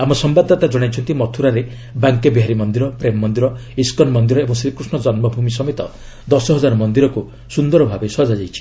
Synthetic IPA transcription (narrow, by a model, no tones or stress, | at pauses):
amɔsɔmbad̪at̪ad͡ʒɔɽ̃ajt͡ʃʰɔnt̪imɔt̪ʰuɾaɾe | baŋkebiɦaɾimɔnd̪iɾɔpɾemɔːɔnd̪iɾɔiskɔnmɔnd̪iɾɔebɔŋsɾikɾusɳɔd͡ʒɔnmɔbʱumis̬ɔmet̪ɔ | d̪ɔsɔɦɔd͡ʒaɾɔmɔnd̪iɾɔku | sund̪ɔɾɔbʱabesɔd͡ʒad͡ʒajt͡ʃʰi̥